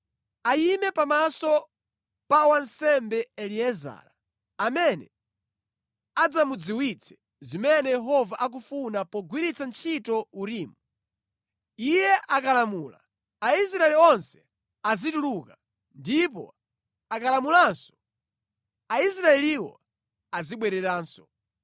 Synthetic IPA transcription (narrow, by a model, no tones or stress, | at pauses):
ajimɛpamasɔ | pawansɛmbɛɛliɛza̰ːɾa | amɛnɛ̰ | ad͡zamud͡ziwit͡sʰɛ̥ | zimɛnɛjɛɦɔvaʔak̬ufunapɔɡwiɾit͡sant͡ʃʰitɔuɾiːmu | ijɛʔakalamuːla̰ | ais̬ɾaɛliɔnsɛ̥ | azituluka | ndip̬ɔ̰ | akalamulansɔ̥ | ais̬ɾaɛliwɔ̰ | aziɓwɛɾɛɾaːnsɔ